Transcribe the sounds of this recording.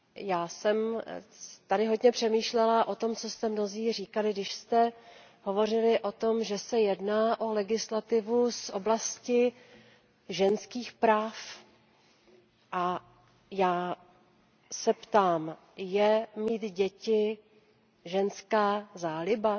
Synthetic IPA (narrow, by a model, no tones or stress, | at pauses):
jaːsɛm | t̪adɪɦo̞dɲɛpr̝̥ɛmiːʃlɛlaʔo̞t̪o̞mt͡so̞st̪ɛmno̞ziːriːkalɪɡdɪʃst̪ɛ | ɦo̞vo̞rɪlɪʔo̞t̪o̞mʒɛsɛjɛdnaːʔo̞lɛɡɪslat̪ɪvusʔoblascɪ | ʒɛnskiːxpɾaːf | ʔa | jaː | sɛpt̪aːm | jɛmiːt̪ɟɛcɪ | ʒɛnskaːzaːlɪba